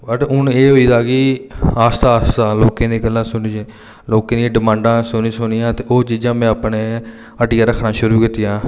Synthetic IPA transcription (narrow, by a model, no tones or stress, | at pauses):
bəʈʊneːɦoiːd̪aːkɪaːst̪aːst̪aːloːkẽːneːɡəlːãːsʊniːd͡ʒː | loːkẽːneɖɪmãːɳɖãːsʊniːsʊnijãːt̪eːoːt͡ʃiːd͡ʒãːmɛ̃ːəpneː | əʈiːaːɾəkʰːnaːʃʊɾuːkɪt̪ijãː